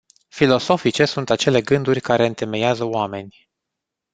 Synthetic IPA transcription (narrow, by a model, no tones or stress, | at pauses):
filo̞so̞fit͡ʃe̞sunt̪at͡ʃe̞le̞ɡɨnd̪urʲkaɾe̞ɨnt̪e̞me̞jazəoame̞nʲ